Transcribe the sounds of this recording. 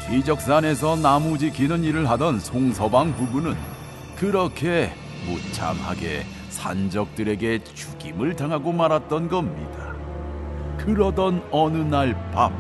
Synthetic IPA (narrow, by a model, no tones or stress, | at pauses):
id͡ʑʌk̚s͈ane̞s̬ʰʌnamud͡ʑikʰinɯniɾɯɭɦadʌnsʰoŋsʰʌbaŋpubunɯn | kɯɾʌkʰe̞ | mot͡ɕʰa̰mha̰ɡe̞̰ | sʰa̰nd͡ʑʌk̚t͈ɯɾe̞ɡe̞t͡ɕuɡimɯɭtaŋɦaɡomaɾɦat̚t͈ʌnɡʌmɲḭda | kɯɾʌdʌnʌnɯnaɭpam